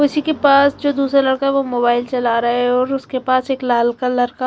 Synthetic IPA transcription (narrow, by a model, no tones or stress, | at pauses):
kʊsikepaːsd͡ʒoːd̪uːsɾalɐɽkaɦɛʋomoːbaːɪlt͡ʃɐlaɾɐɦeɛɔːɾʊskepaːseːklaːlkalɐɽka